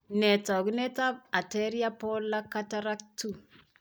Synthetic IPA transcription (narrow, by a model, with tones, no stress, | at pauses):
nɛ˨tɔ˨ɡnɛ˦ta˦b̚a˨tɛ˦ɾja˦pɔ˦lːa˦ka˦ta˦ɾa˦k̚tu˦˨